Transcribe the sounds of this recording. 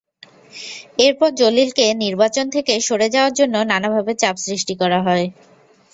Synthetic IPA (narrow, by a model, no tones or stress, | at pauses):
eɾpɔɾd͡ʑolilkeniɾbat͡ɕont̪ʰekeʃoɽed͡ʑaoaɾd͡ʑonːonanabʱabet͡ɕapsɾiʃʈikɔɾaɦɔe